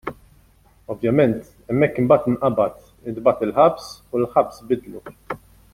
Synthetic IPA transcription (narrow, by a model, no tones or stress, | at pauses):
ɔvjɐmɛnt̪ | ɛmːɛkːɪmbɐːt̪ɪnʔɐbɐt̪ | ɪd̪bɐt̪ɪlħɐbsulħɐbsbɪd̪lu